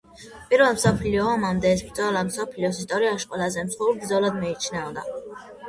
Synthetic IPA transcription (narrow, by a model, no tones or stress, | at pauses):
pʼiɾvɛlˠmsɔpʰliɔɔmamd̪ɛːsbɾd̪zɔlamsɔpʰliɔs̬ist̪ʼɔɾiaʃqʼɔlazɛmsχɔuɾbɾd̪zɔlad̪mɛit͡ʃʰnɛvd̪a